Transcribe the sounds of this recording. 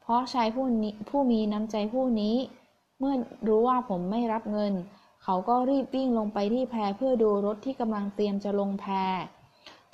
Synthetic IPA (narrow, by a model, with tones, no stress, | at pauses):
pʰɾɔ˦˥t͡ɕʰaː˧jpʰuː˥˩miː˧na˦˥mt͡ɕa˧jpʰuː˥˩niː˦˥ | mɯ˥˩ɐɾuː˦˥waː˥˩pʰo˩˦mːa˥˩jɾa˦˥p̚ŋɤ˧n | kʰa˩˥wkɔː˥˩ɾiː˥˩p̚wi˥˩ŋlo˧ŋpa˧jt̪ʰiː˥˩pʰɛː˧pʰɯ˥˩ɐduː˧ɾo˦˥t̪ʰːiː˥˩ka˧mla˧ŋt̪i˧əmt͡ɕa˨˩lo˧ŋpʰɛː˧